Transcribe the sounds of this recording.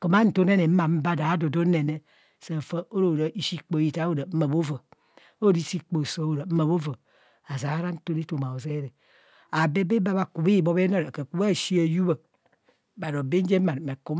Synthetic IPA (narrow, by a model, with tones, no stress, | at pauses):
ko˨ma˦n̩˨˦to˦ne˦ne˨m̩˦a˨m̩˦ba˦da˨a˦do˨do˦ne˨ne˦ | se˨fə˦o˦ɾo˨ɾa˨i˦ʃi˦k͡po˨ji˨˦ta˦o˦da˨m̩˦ma˨bo˦vo˨ | o˦ɾi˦si˦k͡po˨so˨˦o˨ɾa˨m̩˦ma˨bo˦vo˨ | a˨za˨a˦ɾa˦n̩˦to˦ne˦to˨ma˨o˨ze˦ɾe˨ | a˨be˦be˦ba˦ba˨ku˨bi˦i˦˨bo˦be˦no˦ɾke˨ku˦ba˦˨ʃi˦a˨ju˦ba˨ | ba˨ɾo˨be˦n̩˦d͡ʒe˦ma˨n˨me˨ku˦m